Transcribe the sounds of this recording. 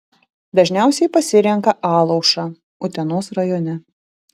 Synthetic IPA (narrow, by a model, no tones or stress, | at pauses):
d̪ɐʒʲnʲæˑʊsʲɛɪpɐsʲɪɾʲɛŋkɐʔɑːlˠɐʊʃɑː | ʊt̪ʲɛnoːsɾɐjɔnʲɛ